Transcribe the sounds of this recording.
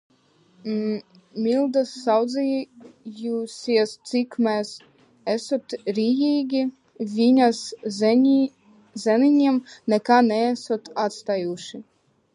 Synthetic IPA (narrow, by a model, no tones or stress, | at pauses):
mʲild̪asːɑwd̪zɛjusʲiɛst̪sikmɛs | esot̪ɾʲijiːɡʲi | vʲinʲasʲ | zɛninʲiɛmnɛkanɛæsot̪at̪st̪ajuʃi